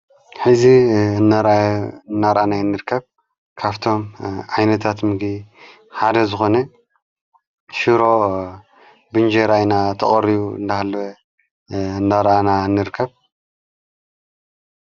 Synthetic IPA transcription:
ħɨziɨnːaɾɨnːaɾʔanajɨnːɨɾkʰːɐβ | kʰaβt̪ʰo̞mʕajnɐt̪ʰat̪mɨɡd̪i | ħad̪ɐzɨxo̞nɐ | ʃɨɾo̞ | bɨnd͡ʒeɾajnat̪ʰɐχʼɐɾiβuɨ̰nd̪ahalːɐwɐ | ɨnd̪aɾʔanaɨnːɨɾɨkʰːɐβ

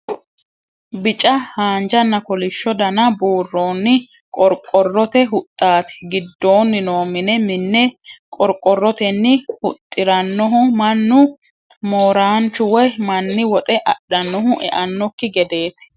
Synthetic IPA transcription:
bɪt͡ʃʼɐhaːnd͡ʒɐnːɐkɔlɪʃːɔd̪ɐnɐbuːrːo̞ːnːɪ | kʼɔɾkʼːɔrːɔt̪ɛɦʊt̪ʼːaːt̪ɪ̥ɡɪd̪ːo̞ːnːɪno̞ːmɪnɛmɪnːɛkʼɔɾkʼːɔrːɔt̪ɛnːɪhʊt̪ʼːɪɾɐnːɔɦʊmɐnːʊ | moːɾaːnt͡ʃʊwɛmɐnːɪwɔt̪ʼɛʔɐɗːɐnːɔɦʊʔɛ̰ʔɐnːɔkːɪɡɛd̪e̞ːt̪ɪ̥

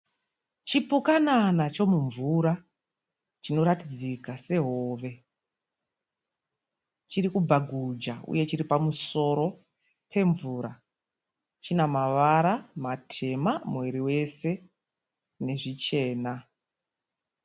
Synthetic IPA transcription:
t͡ʃipukananat͡ʃo̞muɱvuɾa | t͡ʃino̞ɾatid͡zikase̞ɦo̞ːʋe̞ | t͡ʃiɾikubaɡʱud͡ʒaṵje̞t͡ʃiɾipamuso̞ɾo̞ | pʰe̞ɱvuːɾa | t͡ʃinamaʋaɾamatʰe̞mamwe̞ɾiwe̞se̞ | ne̞ʐit͡ʃe̞ːna

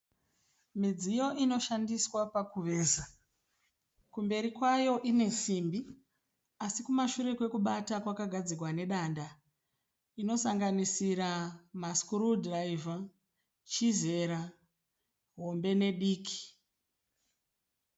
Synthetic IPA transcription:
mid͡zijo̞ʔino̞ʃandiswapakuʋe̞ːza | kumbe̞ɾikwajo̞ʔine̞simbi | asikumaʃuɾe̞kwe̞kuɓatakwakaɡʱad͡zirwane̞ɗanda | ino̞saŋɡanisiɾamaskurudraiva | t͡ʃize̞ɾa | ɦo̞mbe̞ne̞ɗiːki̥

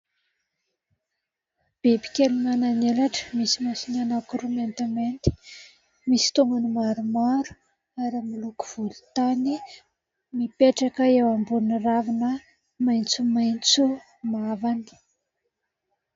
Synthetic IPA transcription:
b̥ebi̥kʲelimananelaʈ͡ʂə̥misimasinanakuɾument̪ament̪i̥ | misi̥t̪oŋɡanimaɾumaɾu̥ | aɾimiluku̥v̥ulut̪ani | mipeʈ͡ʂakəewambuniravinə | majnt͡sumajnt͡su | mavani̥

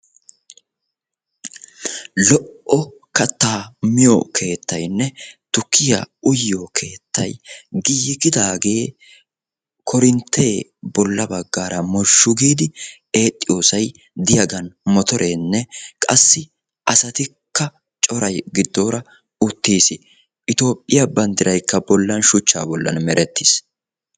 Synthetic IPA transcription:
lɔʔɔkɐt̪ːaːmɪjɔkʰe̞ːt̪ːɐjnːɛt̪ʊkːɪja̰ʊjːokʰe̞ːt̪ʰːɐ̰jɡɪjɪkɪd̪aːɡe̞ː | kʰɔɾɪnt̪ːe̞ːbɔlːɐbɐɡːaːɾʔɐmɔʃːʊɡiːd̪ɪ | e̞ːt̪ʼːɪjo̞ːsɐj | d̪ɪjɐɡɐnmɔt̪ɔɾʔenːɛkʼɐsːɪ | ʔɐsɐt̪ɪkːɐ | t͡ʃʼɔɾɐjɡɪd̪ːo̞ːɾɐ | ʊt̪ːiːsɪ | ʔɪt̪o̞ːpʼːɪjɐbɐnd̪ɪɾɐjkːɐbɔlːɐnʃʊt͡ʃːa̰ːbɔlːɐ̰nmɛɾʔɛt̪ːi̥s

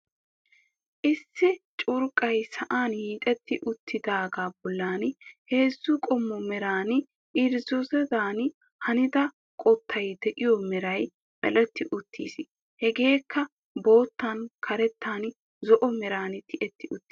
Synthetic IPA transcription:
ʔɪsːɪt͡ʃʼʊɾkʼɐjsɐʔaːnhiːt̪ʼɛt̪ːɪʔʊt̪ʰːɪd̪aːɡaːbɔlːaːnhe̞ːzːʊkʼɔmːɔmɛɾaːnɪ | ʔɪɾzɔsɛzaːn | hɐnɪd̪ɐ | kʼɔt̪ʰːɐjd̪ɛʔɪjɔmɛɾɐj | mɛ̰lɛt̪ːɪʔʊt̪ʰːḭːs | hɛɡe̞ːkʰːɐ | bo̞ːt̪ːɐnkʰɐɾɛt̪ʰːaːn | zɔʔɔmɛɾaːnɪt̪ʰɪʔɛt̪ːɪʊt̪ː

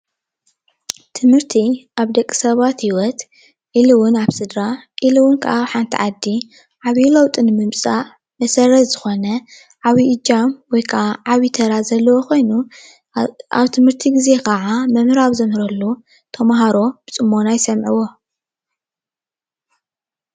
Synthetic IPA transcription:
t̪ʰɨmhɨɾt̪ʰiʔaβd̪ɐkʼːi̥sɐβat̪hiwɔt̪ | ʕiliwʊnaβsɨd̪ɾaʔilɨwʊnkʰɐ̰ʔaβħant̪ʰḭʕad̪ːi | ʕaβilɐwt̪ʼɨnɨmɨmt͡sʼa | mɐsɐɾɐt̪z̥ɨxo̞nɐ | ʕaβiɨd͡ʒamwɔjkʰaaʕaβit̪ʰɐɾazɐlːɐwokʰo̞jnu | aβt̪ʰɨmhɨɾt̪ʰiɡize̞kʰɐʕamɐmɨɾaβzɐmhɨɾɐlːu | t̪ʰɐmaɦaɾo̞b̥ɨt͡sʼɨmːo̞najsɐmʕiwo̞

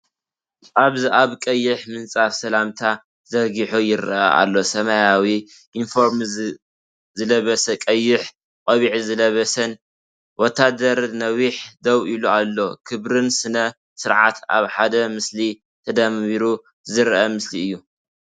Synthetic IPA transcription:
ʔaβziʔaβkʼɐjːɪħmɨnt͡sʼafsɐlamt̪ʰa | zɐɡiħujɪɾʔɐ̰ʔa̰lːo̞sɐmajawi | ʔinfo̞ɾm | zɨlɐβɐsɐkʼɐjːɪħ | qʼɐβiʕizɨlɐβɐsɐn | wɔt̪ʰːad̪ɐɾnɐwiħd̪ɐβʔilualːo̞kʰɨβɾɨnsɨnɐ | sɨɾʕa̰t̪ʰa̰βħad̪ɐmɨsli | t̪ʰɐd̪ɐmβiɾu | zɨɾʔɐmɨsliɨjːu

